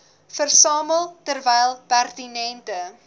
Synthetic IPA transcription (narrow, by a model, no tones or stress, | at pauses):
fərsɑːməlˠtərvɛjlˠpærtinɛntə